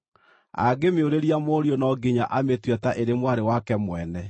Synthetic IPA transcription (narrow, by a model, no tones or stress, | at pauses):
a̰ɡemeoɾeɾjamoɾjonɔɡiɲaʔametwɛtaʔeɾemwaɾewakɛmwɛnɛ